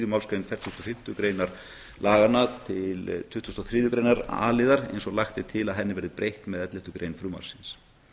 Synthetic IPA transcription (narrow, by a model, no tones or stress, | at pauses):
ðʏmawlskɾejnfɛɾt̪ʰust̪ɔfɪm̥t̪ʏkɾeːjnaɾ | laːɣanːat̪ʰɪlt̪ʰʏht̪ust̪ɔθɾiːðjʏkɾeːjnaɾa̰ːlɪðaɾḛjnsɔɣlaxt̪ɪt̪ʰɪlaðɦɛnːɪvɛɾðɪpɾejht̪mɛðɛt̪lɪht̪ʏkɾejnfɾʏːma̰wɾ̥sɪns